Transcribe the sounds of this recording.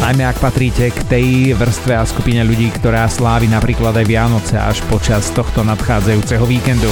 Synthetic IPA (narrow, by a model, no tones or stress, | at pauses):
najmɛakpat̪ɾiːcɛkt̪ɛjʋr̩st̪ʋɛaskupiɲɛʎuɟiːkt̪ɔɾaːslaːʋinapɾiːklad̪ajʋɪanɔt͡sɛa̰ʃpɔt͡ʃast̪ɔxt̪ɔnat̪xaːd͡zajuːt͡sɛɦɔʋiːkɛnd̪u